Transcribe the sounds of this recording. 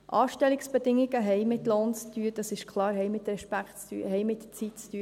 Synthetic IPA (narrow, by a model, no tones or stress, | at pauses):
ʔɑːʃtɛliksb̥ɛdɪŋːiɡəɦɛɪmɪtloːnt͡st̪yəd̥ɑsɪʃkχlɑːɾɦɛjmɪt̪ɾɛʃpæktt͡sty̰ːɦɛjmɪtt͡sitt͡styə